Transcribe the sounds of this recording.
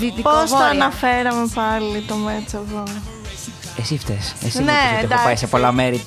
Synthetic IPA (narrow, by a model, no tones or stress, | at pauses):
vit̪iposɐːnɐfe̞ɾɐme̞pɐlit̪omet͡sɐvo | esift̪esesinet̪eɐpɐjsepo̞lɐmeɾi